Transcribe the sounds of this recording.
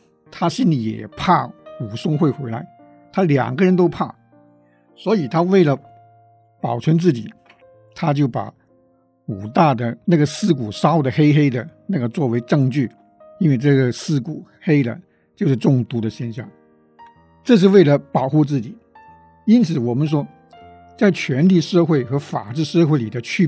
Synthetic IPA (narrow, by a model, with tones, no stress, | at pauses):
t̪ʰa˥ɕi˥nli˨˩jɛ̰˨˩pʰa˥˩u˨˩sʊ˥ŋxwe˥˩ɪxwe˧˥ɪla˧˥ɪ | t̪ʰa˥ljɑ̰˨˩ŋɡə˦ɻə˧˥nt̪o˥ʊpʰa̰˥˩ | swɔ˧˥i˨˩t̪ʰa˥we˥˩ɪlə˩ | pɑ˨˩ʊʈ͡ʂʰwə˧˥nt͡sɹ̩˥˩t͡ɕḭ˨˩˦ | t̪ʰa˥t͡ɕjo˥˩ʊpa̰˨˩˦ | u˨˩t̪a˥˩d̪ə˩na˥˩ɡə˩sɹ̩˥˩k̬u˨˩ʂɑ˥ʊd̪ə˨xe˥ɪxe˥ɪd̪ə˨na˥˩ɡə˩t͡swɔ˥˩we˧˥ɪʈ͡ʂɤ˥˧ŋt͡ɕy˥˩ | i˥nwe˥˧ɪʈ͡ʂɤ˥˩ɡə˩sɹ̩˥˩ku˨˩xe˥ɪlə̰˨ | t͡ɕjo˥˧ʊʂɻ̩˥˧ʈ͡ʂʊ˥˩ŋt̪u˧˥d̪ə˧ɕjɛ˥˧nɕjɑ̰˥˩ŋ | ʈ͡ʂɤ˥˧ʂ̬ɻ̩˥˧we˥˩ɪlə˩pɑ˨˩ʊxu˥˧t͡sɹ̩˥˩t͡ɕi˨˩˦ | i˥nt͡sʰɹ̩˨˩wɔ˨˩mə˦nʂ̬wɔ˥ | t͡sa˥˩ɪt͡ɕʰɥɛ˧˥nt̪ʰi˨˥˩ʂɤ˥˧xwe˥˩ɪxɤ˧˥fa̰˨˩ʈ͡ʂɻ̩˥˧ʂxwe˥˩ɪli˨˩d̪ə˦t͡ɕʰy˥˧